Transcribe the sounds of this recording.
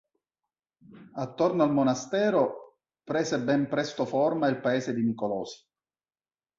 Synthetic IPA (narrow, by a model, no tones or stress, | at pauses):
at̪ːornoalmonast̪ɛːɾo | pɾɛːzebɛmpɾɛst̪oformailpaeːsed̪imikolɔːsi̥